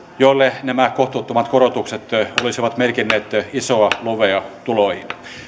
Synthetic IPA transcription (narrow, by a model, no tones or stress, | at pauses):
joilːenæmækoht̪uːt̪ːomɑt̪korot̪ukset̪olisiʋɑt̪merkinːeːt̪isoɑluʋeɑt̪ulohin